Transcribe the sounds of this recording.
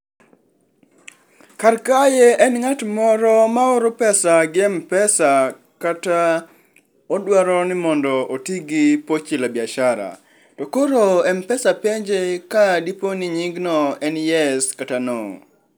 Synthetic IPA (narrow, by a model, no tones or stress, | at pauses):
karkajeɛnŋatmɔɾɔmaʊɾʊpɛsaɡɪɛmpɛsa | kata | odwaɾɔnɪmɔndɔʔotiɡipot͡ʃilabjaʃaɾa̰ | tɔkoɾoɛmpɛsapeɲd͡ʒekadiponiɲiŋɡnɔɛnjɛskatano̰